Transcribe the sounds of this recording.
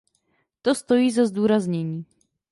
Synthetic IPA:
t̪ost̪o̞jiːzazd̪uːɾazɲɛɲiː

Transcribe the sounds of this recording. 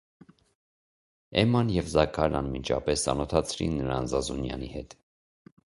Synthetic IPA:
ɛmɑnjɛvzɑkʰɑɾnɑnmint͡ʃʰɑ̰pɛsɑnɔt̪ʰɑt͡sʰɾḭnːəɾɑnzɑzunjɑ̰nihɛt̪

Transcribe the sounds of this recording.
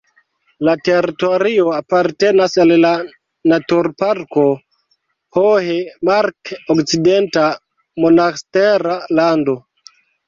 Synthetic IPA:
lateɾitoɾioapaɾtenasalla | natuɾpaɾko | hoɦemaɾkokt͡sidenta | monasteɾalando

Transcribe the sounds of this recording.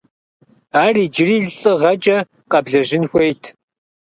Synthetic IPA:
aːriːd͡ʒɪriːɮɬʼɨʁɐt͡ʃʼɐ | qɐbɮɐʒɪnxʷejtʰ

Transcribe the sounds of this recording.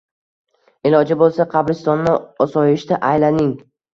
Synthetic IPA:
ɪlɒd͡ʒabolˠsaqʰɑbɾɪst̪ɒnːɪɒsɒjɪʃt̪aʔajlanɪŋ

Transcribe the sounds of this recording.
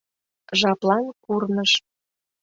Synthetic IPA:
ʒɑplɑnkurnəʃ

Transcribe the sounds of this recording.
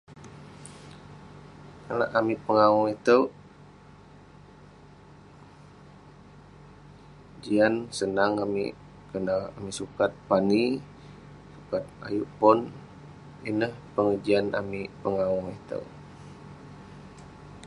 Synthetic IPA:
kala̰ʔamipəŋawɔŋit̪əw | d͡ʒiansənaŋamḭ | kənaamisukat̪̚pani | sukat̪̚a̰juʔpʊn | inəhpəŋəd͡ʒiana̰mipəŋawɔŋit̪ə̰w

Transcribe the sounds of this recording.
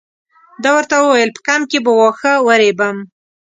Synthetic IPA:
d̪ɑwəɾt̪awəwajəlpə̥kamkebəwɑxəwəɾebəm

